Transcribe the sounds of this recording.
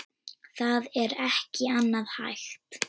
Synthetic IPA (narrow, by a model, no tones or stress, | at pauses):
θaðɛɾɛhcɪanːaðha̰jxt̪